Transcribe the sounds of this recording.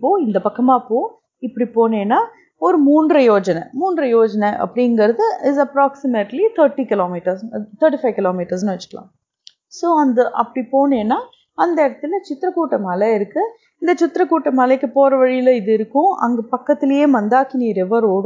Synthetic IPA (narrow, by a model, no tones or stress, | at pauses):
pːoːɪnd̪ɐpɐkːɐmaːpoː | ɪpːɐɽipoːneːnːaː | ɔɾɯmuːnɖɾɐjoːd͡ʒɐnɐmuːnɖɾɐjoːd͡ʒɐnɐʔɐ̰pːɐɽɪjŋɡɐɾɐðɯɪzɐpɾaːksɪmɐʈlit̪ʰɐɾʈːikɪloːmiʈɐɾst̪ʰɐɾʈifɐɪʋkɪloːmiːʈɐɾs̬nɯʋɐt͡ʃːɯ̥kːɐlã̰ː | soːɐnd̪ɐʔɐpːɐɽipoːneːnːaː | ɐnd̪ɐɪɽɐt̪ːɯlɐt͡ʃɪt̪ːɪɾɐkuːʈːɐmɐːlɐɪɾɯkːɯ | ɪnd̪ɐt͡ʃɪt̪ːɪɾɐkuːʈːɐmɐlɐkːɯpoːɾɐʋɐɻɪjɪlɐɪðɯɪɾɯkːʊ̃ɐ̰ŋɡɐpɐkːɐt̪ːɪlɐjeːʋɐnd̪aːkɪniːɾɛʋɐɾoːɽ